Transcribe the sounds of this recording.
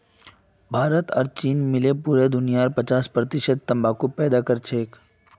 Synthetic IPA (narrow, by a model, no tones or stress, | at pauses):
bʱaːɾət̪ɔɾt͡ʃiːnmɪlepuːɾed̪ʊnijaːɾpət͡ʃaːspɾət̪ɪʃəd̪̚t̪ɐmbaːkupɛːd̪akəɾt͡ʃʰeːk